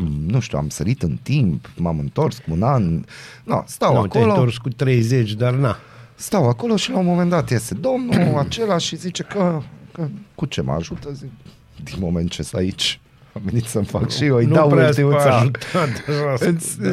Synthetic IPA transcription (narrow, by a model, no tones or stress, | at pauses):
nuʃt̪jua̰msəɾit̪ɨnt̪impmamɨnt̪o̞rskunanna̰st̪awak̪oelot̪orskut̪ɾejzet͡ʃʲd̪arna | st̪awako̞lo̞ʃilaumomend̪at̪jest̪e̞d̪o̞mnuat͡ʃe̞laʃizit͡ʃe̞kəkəkut͡ʃema̰ʒut̪əzik | d̪inmoment̪t͡ʃest̪a̰it͡ʃ | amvenit̪səmfa̰kʃiojnaɾt̪imsaʒut̪at̪aʒaɨs